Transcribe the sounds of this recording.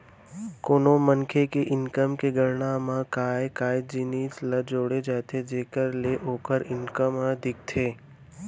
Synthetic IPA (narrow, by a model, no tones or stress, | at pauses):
koːnomənkʰekeʔɪnkəmkeɡəɾɳamãkaːjkaːjd͡ʒiniːt͡ʃləd͡ʒoːɽed͡ʒaːet̪ʰed͡ʒeːkəɾleʔoːkəɾɪnkəməd̪ʱɪk̚t̪ʰeː